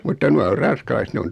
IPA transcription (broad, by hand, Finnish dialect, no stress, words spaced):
mutːɑ nuɑ or rɑn̞skɑlɑiset ne on